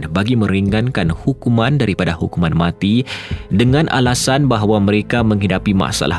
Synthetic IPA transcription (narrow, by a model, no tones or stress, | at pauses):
baɡimə̃ɾiŋankanhukumãndaɾipadahukumanmat̪idəŋãnʔa̰lasanbaɦwaməɾekaməŋɦidapimã̰ʔsa̰la